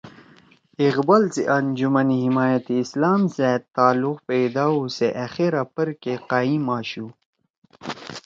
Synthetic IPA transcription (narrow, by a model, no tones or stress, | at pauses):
iɣbalt͡siʔand͡ʑumɐnihimaːjat̪iːslaːmset̪ːaːluqpejd̪aːuseʔɐxeɾapəɾkeqaːĩmaːɕu